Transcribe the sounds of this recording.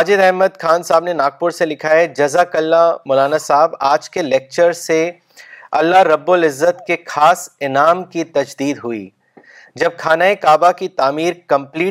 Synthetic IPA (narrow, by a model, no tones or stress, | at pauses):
aːd͡ʒɪd̪ɛɦməd̪kʰaːnsaːɦəbnenaːɡ̚pʊɾselɪkʰaɛd͡ʒɐzakɐlːamʊlaːnasaɦbaːd͡ʒkeleːk̚t͡ʃəɾse | ɐlːaɾɐbːʊlɪzːət̪kexaːsɪnaːmkit̪ɐd͡ʒd̪iːd̪ɦʊḭː | d͡ʒɐb̚kʰaːnaːekaːbakit̪aːmiːɾkɐ̃mpliː